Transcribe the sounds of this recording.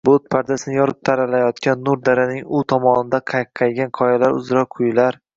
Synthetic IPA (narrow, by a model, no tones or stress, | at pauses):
bot̪̚pʰaɾd̪asɪnɪjɒɾɪp̚t̪ʰaɾalajɒt̪kʲʰanːʊɾd̪aɾɪnɪŋʊt̪ʰɒmɒnɪd̪aqʰɑjqʰːɑjɡʲanqʰɒjalaɾʊ̰zɾɒkqʰʊjlaɾ